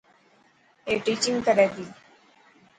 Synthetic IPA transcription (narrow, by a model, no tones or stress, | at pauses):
eʈiːt͡ɕĩŋɡkəɾɛd̪iː